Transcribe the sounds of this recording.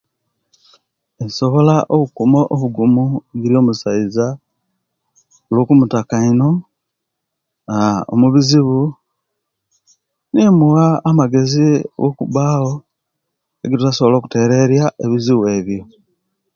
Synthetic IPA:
enso̞βo̞laʔoβukumo̞ʔoβuɡumuɡiɾjo̞ːmusaiza | olwokumutakaino̞ | ao̰muβiziβu | nemuɣaːmaɡe̞ziɡo̞kuβaːho̞ | ḛɡitutasoβolo̞ːku̥te̞ɾe̞ɾjaʔeβiziβue̞ːβjo̞

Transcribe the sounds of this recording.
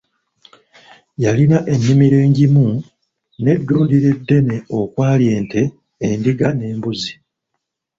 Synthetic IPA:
jalinaʔe̞nːimiɾe̞ːɲɟimu | ne̞dːuːndiɾe̞dːe̞ne̞o̞kwaːlje̞ːnte̞ː | ndiɡane̞ːmbuzi

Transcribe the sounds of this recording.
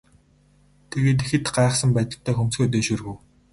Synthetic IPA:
t̪ʰeɣeːt̪exɘ̆t̪ɢaeχsə̆mpæːt̪ə̆ɬt̪ʰːæːxɵmsɡoːt̪̬eːʃɵːrɣŭw

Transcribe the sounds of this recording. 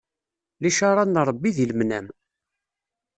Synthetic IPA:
liʃaɾˤɑnɾˤbːiðilmnæm

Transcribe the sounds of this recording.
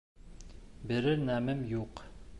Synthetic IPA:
bɘ̆ɾɘnæmɘmjuq

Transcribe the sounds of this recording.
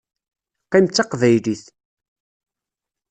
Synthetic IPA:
qimt͡sːɑqvæjliθ

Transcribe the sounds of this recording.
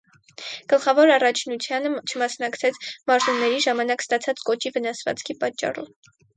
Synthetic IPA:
ɡ̥əlχɑvɔɾɑrɑt͡ʃʰnut͡sʰjɑnət͡ʃʰəmɑsnɑkt͡sʰɛt͡sʰmɑɾzunːɛɾiʒɑmɑnɑkst̪ɑt͡sʰɑt͡skɔt͡ʃivənɑsvɑ̰t͡skʰipɑt͡ʃːɑ̰rɔ̰v

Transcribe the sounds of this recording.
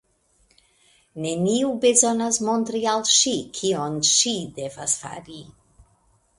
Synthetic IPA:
neniubezɔnazmont̪ɾialʃikʰiɔnʃid̪ɛvasfa̰ɾi

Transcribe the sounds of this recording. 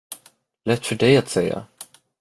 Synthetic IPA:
lɛt̪fədɛɪat̪sɛja̰

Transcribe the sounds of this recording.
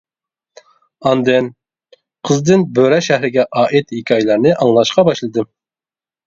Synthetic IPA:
ɑnd̪ɨn | qʰəzd̪ɨnbøɾɛʃæhɾɪɡʲɛʔɑːʔɪt̪hikʲʰɑjlˠɑɾnɨʔɑŋlˠɑʃqɑbɑʃlˠɨd̪ɨ

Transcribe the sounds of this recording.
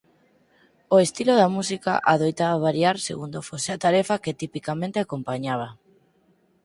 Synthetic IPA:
oest̪iloðamus̬ika̰ʔaðojt̪aβaβaɾjaɾsḛɣund̪ofoseat̪aɾɛfaket̪ipikamẽnt̪eakompaɲaβ̞a

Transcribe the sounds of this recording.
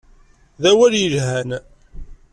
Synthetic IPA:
ðæwæljəʒhæn

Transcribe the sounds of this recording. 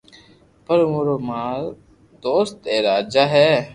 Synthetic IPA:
pəɾmoɾoːmaːl | d̪oːst̪eːɾaːd͡ʒaːɦɛː

